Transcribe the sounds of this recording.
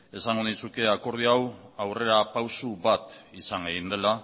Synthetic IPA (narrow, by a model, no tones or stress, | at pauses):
e̞saŋɡoðisuke̞ako̞ɾð̞iawawre̞ɾapawsuβat̪isaŋɡeɣind̪e̞la